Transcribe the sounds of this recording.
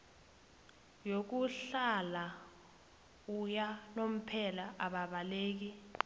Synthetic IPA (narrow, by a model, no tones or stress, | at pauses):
jok̬uɬala | ujanom̩pʰɛlaʔaɓaɓaleːk̬i